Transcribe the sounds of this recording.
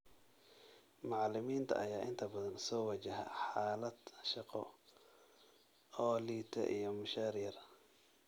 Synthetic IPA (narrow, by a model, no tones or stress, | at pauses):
mɑʕɑlɪmiːnt̪ʰɐ̰ʔɐjaːʔɪnt̪ʰɐbɐðɐnsɔːwɐt͡ʃɐɦɐ̰ħaːlɐd̪ʃɑqɔ̰ | ɔːliːt̪ʰɐ̰ʔḭjɔmʊʃaːɾijɐr